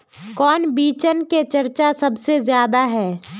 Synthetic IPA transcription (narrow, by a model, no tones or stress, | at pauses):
kɔːnbiːt͡ʃənket͡ʃɐɾt͡ʃasɐbsezjaːd̪aɦɛː